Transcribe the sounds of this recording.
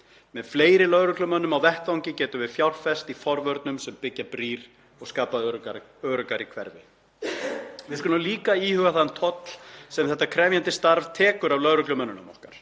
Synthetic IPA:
mɛðfleːjɾɪlœðɾʏklʏmœnːʏmawvɛhk̪awɲcɪcɛːt̪ʏvɪðfjawr̥fɛst̪ifɔɾvœɾt̪̚nʏmsɛmpɪcːapɾiːɾ | ɔɣskaːpa | œːɾʏkaɾikʰvɛ̰ɾvɪ̰ | vɪðɾkʏnaliːkaiːhʏɣaθant̪ʰɔt̪l̥sɛmθɛht̪ːakʰɾɛːvjant̪ɪst̪aɾvt̪ʰɛːkʏɾavlœðɾʏklʏmœnʏnʏmɔhkaɾ̥

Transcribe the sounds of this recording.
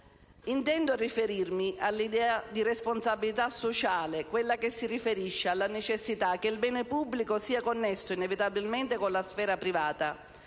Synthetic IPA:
int̪ɛnd̪ʊrifeɾirmiʔalːid̪ɛːad̪iresponsabilit̪asːot͡ʃaːlekwelːak̟esːirifeɾiʃːealːanet͡ʃesːit̪ak̟ːeilbɛːnepubːlikosiːakonːesːʊinevit̪abilment̪ɪkonlasfɛːɾapɾivaːt̪a

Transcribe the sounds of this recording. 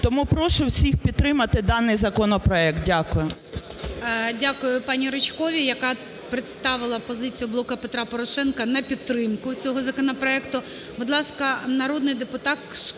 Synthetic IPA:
t̪ɔmupɾɔʃʊwsʲixpʲid̪̚ɾɪmɐt̪ɪd̪ɑnːɪjzɐkɔnɔpɾɔɛk̚t̪̚dʲakʊjʊ | dʲakʊjʊpɑnʲiɾɪt͡ʃkɔʋʲijɐkɑ | pɾɪt̪st̪ɑʋɪlˠɐpɔzɪt͡sʲijʊblˠɔkɐpet̪ɾɑpɔɾɔʃɛnkɐnɐpʲid̪t̪ːɾɪmkʊt͡sʲɔɦɔzɐkɔnɐpɾɔɛkt̪ʊ | bʊd̪lˠɑskɐnɐɾod̪nɪjd̪epʊt̪ɑt̪ʃ

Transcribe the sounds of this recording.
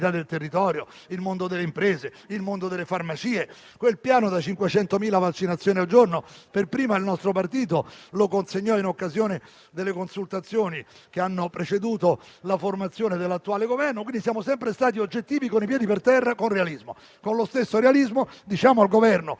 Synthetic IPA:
t̪ad̪elt̪erːit̪ɔːɾjo | ilmond̪od̪elːeimpɾeːze | ilmond̪od̪elːefarmat͡ʃiːe | kwelpjaːnod̪at͡ʃiŋkwet͡ʃɛnt̪omiːlavat͡ʃːinat̪sːjoːniald͡ʒornoperpɾiːmad̪elnɔst̪ɾopart̪iːt̪olokonseɲːɔinokːazjoːne | d̪elːekonsult̪at̪sːjoːni | k̟eanːopɾet͡ʃed̪uːt̪o | laformat̪sːjoːned̪elːat̪ːuaːleɡovɛrnokwind̪isjaːmosɛmpɾest̪aːt̪̬iod͡ʒːet̪ːiːvikonipjɛːd̪ipert̪ɛrːakonrealizmo | konlost̪esːoɾealizmod̪it͡ʃaːmoalɡovɛrno

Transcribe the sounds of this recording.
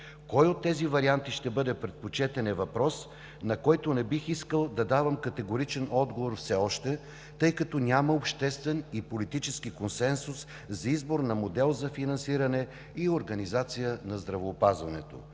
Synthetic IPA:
kɔjot̪ːɛzivɐɾiant̪iʃt̪ɛbɤd̪ɛpɾɛt̪̚pot͡ʃɛt̪ɛnɛvɐpɾɔs | nɐkɔjt̪onɛbixiskəlˠd̪ɐd̪avəmkɐt̪ɛɡoɾit͡ʃɛnɔd̪ɡovoɾfsɛɔʃt̪ɛ | t̪ɤjkɐt̪ɔnʲaməopʃt̪ɛst̪vɛnipolit̪it͡ʃɛsk̟ikonsɛnsus | zɐizboɾnɐmod̪ɛlˠzɐfinɐnsiɾɐnɛ | ioɾɡɐnizat̪sijənɐzd̪ɾɐvoːpazvɐnɛt̪o̰

